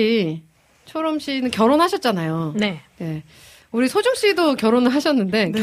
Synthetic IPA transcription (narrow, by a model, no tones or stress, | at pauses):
i | t͡ɕʰoɾʌmɕ͈ʰinɯnkjʌɾonɦaɕʰʌt̚t͡ɕ͈anajonenje̞ | uɾisʰod͡ʑuŋɕ͈idokjʌɾonɯɭɦaɕʰʌnːɯnde̞